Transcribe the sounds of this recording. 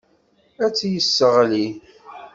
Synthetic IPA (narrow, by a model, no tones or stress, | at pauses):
æt͡sːjəsːəʁli